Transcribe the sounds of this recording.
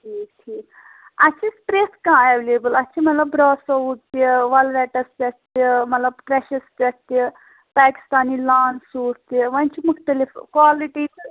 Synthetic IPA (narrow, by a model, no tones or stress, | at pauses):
ʈʰiːkʈʰiːk | ɐtt͡ʃʰispɾeːskãeʋleːbəlɐtːʰimɐt̪lɐbːɾɔːsout̪eʋɐlʋeʈɐspɐst̪emɐt̪lɐbpɾeʃɐspʲɐst̪e | paːki̥st̪aːnilaːnsuːɾt̪eʋɐnt͡ʃimukʰʈ̪ɐlifkʋaːliʈi